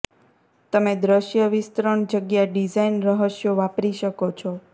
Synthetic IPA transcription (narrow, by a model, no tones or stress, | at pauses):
t̪əmed̪ɾəʃjəʋɪst̪ɾəɳd͡ʒəɡjaɖid͡ʒainɾəɦəʃjoʋapɾiʃəkot͡ʃʰɔ